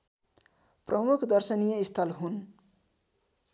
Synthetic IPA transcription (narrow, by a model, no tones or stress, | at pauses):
prʔʌmukʰd̪ʌrsʌnijʌist̪ʰʌlɦun